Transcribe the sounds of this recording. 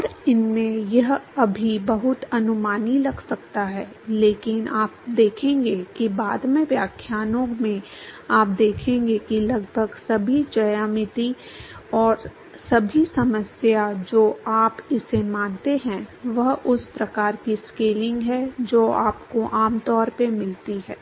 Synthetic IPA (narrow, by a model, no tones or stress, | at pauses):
ɔɾɪnmẽjɐɦɐbʱibɐɦʊt̪ɐnʊmaːnilɐɡsɐk̚t̪aɦɛː | leːkɪnʔaːp̚d̪eːkʰẽːŋɡekibaːd̪mẽʋjaːkʰjaːnõmẽaːp̚d̪eːkʰẽːŋɡekilɐɡbʱəɡsɐbʱid͡ʒɐjaːmɪt̪iɔːɾ | sɐbʱisɐməsjad͡ʒoːaːpɪsemãːnt̪eɦɛ̃ʋɐɦʊspɾɐkaːɾkiskeːlɪ̃ŋɡɦɛd͡ʒoːaːpkoʔaːmt̪ɔːɾpemɪlt̪iɦɛ̰ː